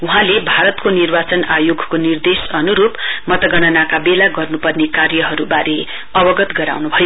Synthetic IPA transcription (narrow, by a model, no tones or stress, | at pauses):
uɦãlebʱaɾʌt̪konirbat͡sʌnajoɡʱkonird̪esʌnuɾupmʌt̪ʌɡʌɽ̃ʌnakabelaɡʌrnupʌrnekarjʌɦʌɾubaɾe | ʌbʌɡʌt̪ɡʌɾa̰wnubʱʌjo